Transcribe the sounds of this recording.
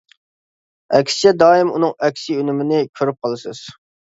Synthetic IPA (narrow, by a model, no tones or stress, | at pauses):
ɛkʲʰsɪ̥t͡ʃʰɛd̪ɑːɪmṵnɨŋɛkʲsiynɪmɪnɪkʲʰøɾyp̚qʰɑlˠɨsɨz̥